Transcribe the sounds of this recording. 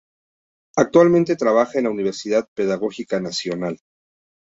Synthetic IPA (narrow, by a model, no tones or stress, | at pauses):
ak̚t̪walmẽnt̪e̞t̪ɾaβ̞axaenlauniβ̞e̞ɾsiðaðpe̞ðaɣo̞xikanasjo̞nal